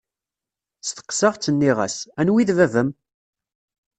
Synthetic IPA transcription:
st̪ə̥qsɑʁt͡sːənːiʁæ̰sænwiðvævəm

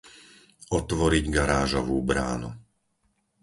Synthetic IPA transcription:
ɔt̪ʋɔɾiɟɡaɾaːʒɔʋuːbɾa̰ːnṵ

